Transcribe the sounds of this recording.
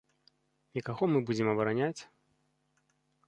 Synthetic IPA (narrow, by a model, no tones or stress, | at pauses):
nʲikaɣɔmɨbud͡zʲɪmɐbɐɾanʲat͡sʲ